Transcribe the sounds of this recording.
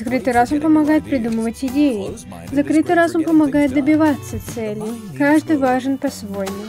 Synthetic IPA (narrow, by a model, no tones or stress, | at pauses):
zɐkɾɨt̪ɨjɾasompəmɐɡajɪt̪̚pɾʲɪd̪uməvətʲɪdʲejɪ | zɐkɾɨt̪ɨjɾasompəmɐɡajɪt̪̚d̪əbʲɪvat̪sːət̪sɛlʲɪ | kaʐd̪ɨjvaʐɨnpɐsvo̞jnɨj